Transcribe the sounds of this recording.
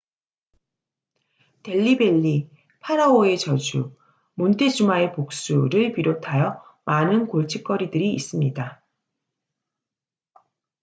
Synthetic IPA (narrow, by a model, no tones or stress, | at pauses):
te̞ʎːibe̞ʎːi | pʰaɾaoe̞t͡ɕʌd͡ʑu | montʰe̞d͡ʑumae̞pok̚s͈uɾɯɭpiɾotʰajʌmanɯnkoɭt͡ɕʰik̚k͈ʌɾidɯɾiːs͈ɯmɲida